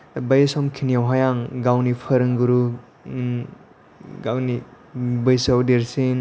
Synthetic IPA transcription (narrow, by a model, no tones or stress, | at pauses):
bajsɔmkʰinijawɦajaŋɡawnipʰɐɾɯŋɡɯɾu | ɡawni | bɯjsawdeɾsin